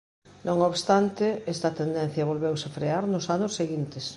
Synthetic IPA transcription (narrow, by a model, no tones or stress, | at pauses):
nõŋoβst̪ant̪ɪɛst̪ɐt̪end̪ɛn̟θjɐβolβewsefɾeaɾnʊsanʊsːeɣint̪es